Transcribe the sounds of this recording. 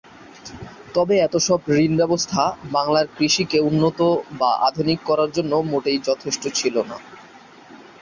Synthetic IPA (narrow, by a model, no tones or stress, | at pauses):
t̪ɔbeɛt̪oʃɔbɾinbɛbost̪ʰabaŋlaɾkɾiʃikeunːot̪obaʔa̰d̪ʱunikːɔɾaɾd͡ʑonːomoʈejd͡ʑɔt̪ʰeʃʈot͡ɕʰilona̰